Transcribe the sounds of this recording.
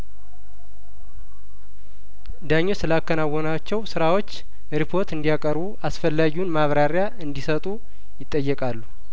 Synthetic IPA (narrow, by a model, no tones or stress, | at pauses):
d̪aɲːo̞sɨlakːənawːonat͡ʃːɛwsɨɾawo̞t͡ʃː | ɾipʰo̞ɾt̪ɨnd̪ijakʼəɾbuʔasfəlːaɡiunmaβɾaɾja | ɨnd̪isət̪ʼu | jɪt̪ʼːəjːɛkʼalːu